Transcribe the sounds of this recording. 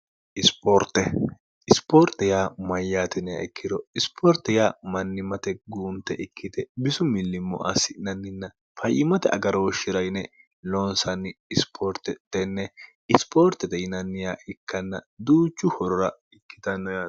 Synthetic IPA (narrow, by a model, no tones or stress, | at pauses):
ʔɪspoːɾt̪ːɛ | ɪspoːɾt̪ɛjaːmɐjːaːt̪ɛnɪja̰ɪkʰːɪd̪ɔɪspʰoːɾt̪ɛjaːmɐnːɪmɐt̪ɛɡuːnt̪ːɛʔɪkːɪt̪ɛbɪsʊmɪlːɪmːɔ̰ʔɐ̰sːɪnɐnːɪnːɐ | fɐjʔɪmɐt̪ɛ̰ʔɐ̰ɡɐɾɔɔʃɪɾɐjnɛ | loːnsɐnːɪɪspʰoːɾt̪ɛt̪ːɛnːɛ | ɪspʰoːɾt̪ɛt̪ɛjɪnɐnːɪjaːʔɪkːɐnːɐ̰d̪uːt͡ʃːʊhɔɾɔɾɐ | ɪkːɪ̥t̪ɐnːɔja